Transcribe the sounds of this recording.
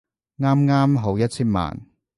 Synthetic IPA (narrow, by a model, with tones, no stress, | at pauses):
ŋaː˥mŋaː˥mɦo˨˥wjɐ˥t̚t͡sʰiː˥nma̰ː˨n